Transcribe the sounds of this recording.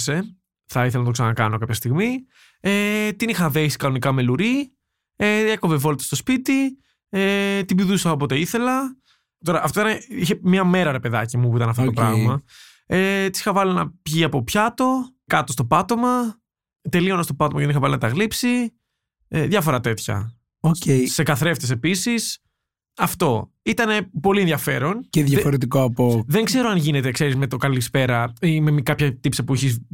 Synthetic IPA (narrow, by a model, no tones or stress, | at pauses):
se̞ | θɐiθelɐnɐt̪oksɐnɐkɐno̞kɐpçɐst̪iɣmi | et̪inixɐðesi̥kɐno̞nikɐme̞luɾi | eekovevo̞lit̪e̥st̪spit̪i | et̪ibiðusɐo̞po̞t̪eiθe̞lɐ | t̪o̞ɾɐʔːft̪oit̪ɐniçemɲɐme̞ɾɐɾe̞peðɐcimup̬uit̪ɐnɐft̪otopɾɐ̰ɣmɐ | et̪isi̥xɐvɐlinɐpʝiɐpo̞pçɐt̪o̞ | kɐt̪ost̪opɐt̪o̞mɐ | t̪e̞lionɐst̪opɐt̪omɐcðenixɐvɐlinɐt̪ɐɣlipsi | ðʝɐfo̞ɾɐt̪e̞t̪çɐ̰ | ocesekɐθɾe̞ft̪es̬e̞pisis | ɐft̪o̞ | it̪ɐnepo̞lienðʝjɐfe̞ɾo̞nceðjɐfoɾet̪̬ikoɐpoðe̞ŋɡze̞ɾoɐnʝinet̪ekse̞ɾizme̞t̪okɐlispeɾɐimemikɐpçɐt̪ipsɐpuiçis